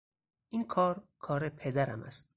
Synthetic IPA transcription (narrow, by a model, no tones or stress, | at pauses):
ʔinkʰɒːɾkʰɒːɾepʰed̪æɾæ̰mæ̰st̪̚